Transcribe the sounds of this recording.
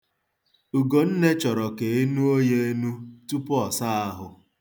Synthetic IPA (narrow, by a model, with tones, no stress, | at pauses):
ʊ˨ɡo˨n̩˦ne˦t͡ʃɔ˨ɾɔ˨ke˨˦e˦nu˦o˦je˦e˦nu˦tu˦pɔ˨sa˦a˦ɦʊ˨